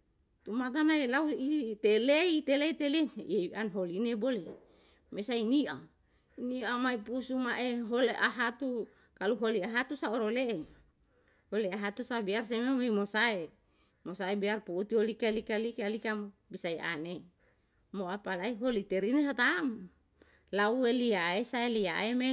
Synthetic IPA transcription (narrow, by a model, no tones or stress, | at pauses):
t̪umat̪̬anailauit̪eleit̪eleit̪eleeanɦolinebole | mesainiʔa | niamaipusumaʔeɦoleʔaɦat̪u | kaluɦoliaɦat̪usaoɾole | holeaɦat̪usabiars̬ememeimosae | mosaebiarpuut̪iolikalikalikalikam | bisaia̰ne | moapalaiɦolit̪eɾineɦat̪am | laueliaesaelia̰eme